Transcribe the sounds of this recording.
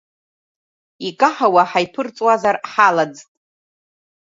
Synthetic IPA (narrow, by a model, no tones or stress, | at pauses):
ikʼaħawaħajpʰɨrt͡sʼwazarħalad͡ztʼ